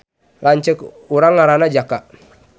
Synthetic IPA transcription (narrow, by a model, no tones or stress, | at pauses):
laɲt͡ʃək | uɾaŋːaɾanad͡ʒaka